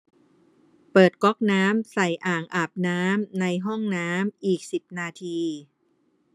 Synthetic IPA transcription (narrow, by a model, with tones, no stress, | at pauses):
pɤː˨˩t̪̚kɔ˦˥k̚naː˦˥msa˨˩jʔaː˨˩ŋʔaː˨˩p̚naː˦˥mna˧jɦɔ˥˩ŋnaː˦˥mʔiː˨˩k̚si˨˩p̚naː˧t̪ʰiː˧